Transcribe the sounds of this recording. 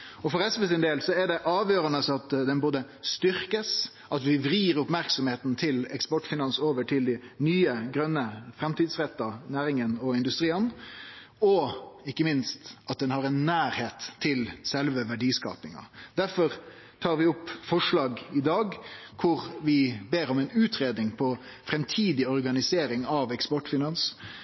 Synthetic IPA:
ɔfɔɾɛsʋəsɪnd̪eːlsɔɛɖɛʔɑːʋjøːɾɑnəsɑt̪d̪ɛnboːd̪ə | st̪ʏɾkəs | ʔɑt̪ʋɪʋɾiːɾʊpmæɾksɔmheːt̪n̩t̪ʰɪlɛ̰kspɔʈfɪnɑnsoːʋəʈʰɪld̪ɪnyːəɡɾœnːəfɾɛmt̪iːd̪sɾɛt̪ːɑnæːɾɪŋənɔɪnd̪ʉst̪ɾiːən | ɔɪkːəmɪnst̪ɑt̪̚d̪ɛnhɑɾɛnːæːɾheːt̪ʰːɪlsɛlʋəʋæɖiːskɑ̰ːpɪŋɑ̰d̪æɾfɔɾ | t̪ʰɑːɾʋɪɔpːfɔʂɭɑːɡɪd̪ɑːɡkʰʊɾʋɪbeːɾɔmɛɪnʉːt̪ɾeːd̪nɪŋpʰɔ | fɾɛmt̪ʰiːd̪ɪɔɾɡɑnɪseːɾɪŋɑʋɛkspɔʈfɪnɑns

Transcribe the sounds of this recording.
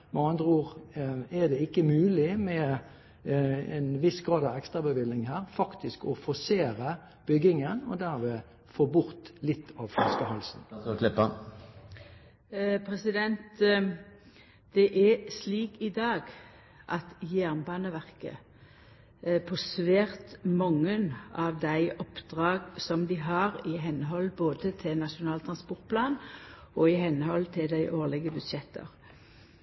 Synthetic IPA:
ʋɑɑnd̪ʁuːʁæd̪ɛɪkːəmʉːlɪmɛ | ɛ̰nʋɪsɡʁɑːd̪ɑʋɛkst̪ʁɑbəʋɪlnɪŋɦæːʁfɑkt̪ɪskɔfɔseːɾə | b̥ʏɡɪŋənɔ̰d̪æʁʋeː | foːbʊʁt̪lɪt̪ʰːɑːʋfʁɑ̰skəhɑlsn̩klɪpːə | pʰɾɛsɪd̪ɛnt̪ | d̪̥ɛʔɛsliːkɪd̪ɑːɡ | ʔɑt̪jæʁnbɑːnəʋæʁkə̰ | pʰɔsʋeːʁt̪mɔŋːənʔɑʋd̪æɪʔɔpd̪̥ʁɑːɡsɔmd̪ɪɦɑʁɪɦɛnɦɔlboːd̪ət̪ʰɪnɑʃʊnɑːlt̪ʰʁɑnspɔʁt̪̚pʰlɑːn | ɔɪhɛnhɔlt̪ʰɪld̪æɪʔoːʁlɪɡəbʉd̪ʃɛt̪ʰːə̰ʁ

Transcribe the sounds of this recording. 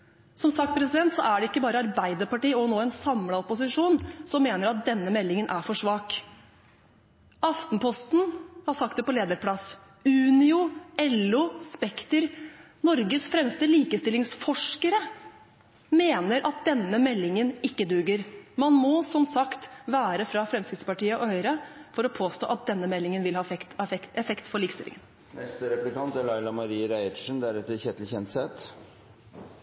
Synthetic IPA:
sɔmsɑk̚t̪̚pʰɾɛsɪd̪ɛnt̪sɔ̰ʔæɖɛɪkːəbɑːɾəɑɾbæɪd̪əɾpɑʈiːɔnoːɛnsɑmlɑɔpːʊsɪʂuːnsɔmːeːnəɾɑt̪̚d̪ɛnːəmɛlːɪŋənʔæɾfɔʂʋɑːk | ɑft̪n̩pʰɔst̪n̩hɑsɑk̚t̪̚d̪ɛpɔleːd̪əɾpʰlɑs | ʉːnɪʊɛlʊspɛkt̪əɾ | nɔɾɡəsfɾɛmst̪əliːkəst̪ɪlɪŋsfɔʂkəɾə | meːnəɾʔɑt̪̚d̪ɛnːəmɛlːɪŋənɪkːəd̪ʉɡəɾmɑnmɔsɔmsɑkt̪ʋæːɾəfɾɑfɾɛmskɾɪt̪spɑʈiːəʔɔhœʏɾɑfɔɾɔpʰoːst̪o̰ːʔɑt̪̚d̪ɛnːəmɛlːɪŋənʋɪlhɑːfɛkt̪ɛɛfɛkt̪fɔɾɭiːkəst̪ɪlɪ̰ŋən | nɛst̪əɾɛplɪkɑnt̪æɾɭɑɪlɑmɑɾiːəɾæɪəʂən̩d̪æɾɛt̪ːəçɛt̪l̩çɛnt̪sɛt̪

